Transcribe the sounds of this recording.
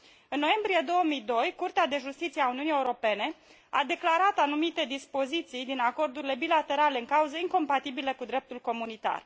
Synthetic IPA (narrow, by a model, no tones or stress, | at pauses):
ɨnːo̞je̞mbɾije̞d̪o̞wəmijd̪o̞jkurt̪ead̪e̞ʒust̪it̪sieauniunijeuɾo̞pe̞ne̞ | a̰d̪e̞klaɾat̪anumit̪e̞d̪ispo̞zit̪sijd̪inako̞rd̪uɾile̞bilat̪e̞ɾale̞ɨŋkauzəiŋko̞mpat̪ibiləkud̪ɾe̞p̚t̪ulko̞munit̪a̰r